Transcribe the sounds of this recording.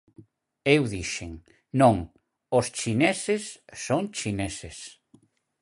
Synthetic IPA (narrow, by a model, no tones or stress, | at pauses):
ewðiʃeŋ | nõŋ | ost͡ʃinɛsesːoŋt͡ʃineses